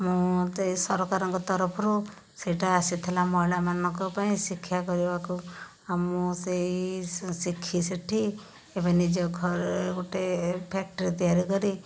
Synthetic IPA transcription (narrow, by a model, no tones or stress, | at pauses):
mũt̪esɔɾɔkaɾɔŋkɔt̪ɔɾɔpʰɔɾu | seʈaasit̪ʰelamɔɦilamanɔŋkɔpaĩsikʰːjakɔɾibaku | amũseisikʰːiseʈʰi | ebanid͡ʒɔɡʱɔɾekuʈepʰɛk̚ʈɔɾit̪ijaɾikɔɾi